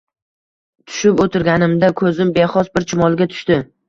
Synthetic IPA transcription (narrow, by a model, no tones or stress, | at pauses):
t̪ʰʊ̥ʃɪpot̪ʰɪɾɡʲanɪmd̪akʰɵzɪmbeχɒsbɪɾt͡ʃʰɪmɒlˠɡʲat̪ʰʊ̥ʃt̪ɪ